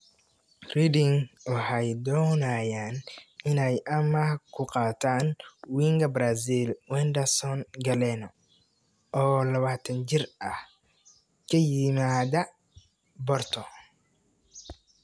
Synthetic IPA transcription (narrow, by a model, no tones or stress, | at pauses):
ridɪŋʊhɐjd̪ɔːnaːjaːnɪnɛjʔɐmɐkʰʊqɑːt̪ʰaːnwiːŋɡɐbɾasilwɛnd̪ɐsɔnɡɐlɛnɔ | ʔɔːlɐβaːt̪ʰɐnt͡ʃɪrɐh | kʰɐjɪmaːðɐ | bɔrt̪ʰɔ